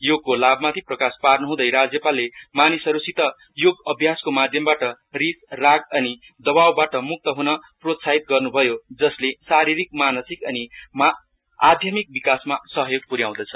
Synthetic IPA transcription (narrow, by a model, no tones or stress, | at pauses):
joɡ̚kolabmat̪ʰiprʌkasparnʌɦũd̪ʌjɾad͡zjʌpalːemanisʌɾusit̪ʌ | joɡʌbʱjaskomad̪ʱjʌmbaʈʌ | risraɡʌni | d̪ʌbawbaʈʌmuk̚t̪ʌɦunʌprot̪saɦit̪̚ɡʌrnubʱʌjod͡zʌslesaɾiɾik̚manʌsikʌnima | ad̪ʱjʌmik̚bikasmasʌɦʌjoɡ̚puɾjaw̃d̪ʌt͡sʰʌ̥